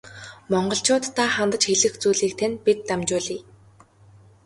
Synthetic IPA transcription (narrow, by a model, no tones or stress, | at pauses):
mɔɴɢɞ̆ɬt͡ɕʊːt̪ʰːaːχant̪ə̆t͡ɕxeɮɘ̆xt͡suːɮiːk̚t̪ʰenpit̪ːamt͡ɕʊːɮiː